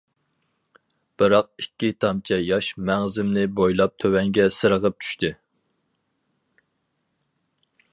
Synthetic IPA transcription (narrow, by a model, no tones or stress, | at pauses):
b̥ɨɾɑq̚ikʲːit̪ʰɑmt͡ʃʰɛjɑʃmæŋzɪmnɪbojlˠɑp̚t̪ʰøwɛŋɡʲɛsɨɾəʁəp̚t͡ʃʰy̥ʃt̪ɨ